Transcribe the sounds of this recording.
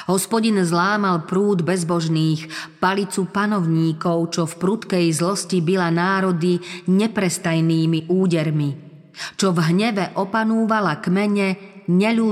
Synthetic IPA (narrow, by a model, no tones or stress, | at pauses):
ɦɔspɔɟinzlaːmalpɾuːd̪bɛzbɔʒniːxpalit͡supanɔʊɲiːkɔʊt͡ʃɔfpɾut̪kɛjzlɔscibilanaːɾɔd̪iɲɛpɾɛst̪ajniːmiʔuːɟɛɾmi | t͡ʃɔvɦɲɛʋɛʔɔpanuːʋalakmɛɲɛɲɛʎuː